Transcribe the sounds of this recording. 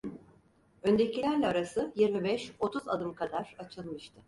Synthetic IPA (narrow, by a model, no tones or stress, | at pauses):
ø̞nd̪ecʰilʲæɾlʲɛaɾasɯjiɾmibɛʃo̞t̪ʰuza̰d̪ɯmkʰad̪aɾ̥at͡ʃʰɯlˠmɯʃt̪ʰɯ